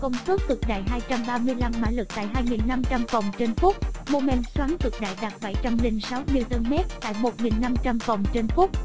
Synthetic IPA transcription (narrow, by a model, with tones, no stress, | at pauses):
kə˧wŋ͡msu˦˥t̚t̪ɨ˨˩k̚ɗa̰ː˧˨jɦaː˧jt͡ɕa˧mɓaː˧mɨ˧əjla˧mːa̰ː˧˥lɨ˨˩k̚t̪a̰ː˧˨jɦaː˧jŋi˨˩nːa˧mt͡ɕa˧mvɔ˨˩wŋ͡mt͡ɕe˧nfʊ˦˥k͡p̚mo˧mɛ˧nswaː˨˦nt̪ɨ˨˩k̚ɗa̰ː˧˨jɗaː˨˩t̚ɓa˧˩jt͡ɕa˧mlï˧ŋsa˨˦wmi˧ət̪ə˧nmɛ˦˥t̚t̪a̰ː˧˨jmo˨˩t̚ŋi˨˩nːa˧mt͡ɕa˧mvɔ˨˩wŋ͡mt͡ɕe˧nfʊ˦˥k͡p̚